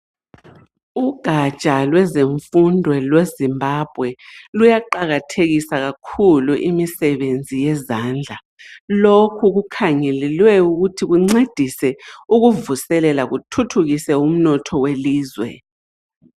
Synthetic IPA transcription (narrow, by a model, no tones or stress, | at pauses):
uɡ̥ʱat͡ʃʼalwɛzeɱfundʱwɛlwezimbʱab̥ʱwɛlujaǃaɣatʰeɣisaɣakʰuluʔimisɛβend͡zʱijɛzaːnd͡ɮʱa | lokʰuɣukʰaŋɛlɛlwɛuɣutʰiɣuŋ͡ǀed̥ʱisɛuɣuvusɛlɛlaɣutʰutʰuɣisɛum̩nɔtʰɔweliːzwɛ̰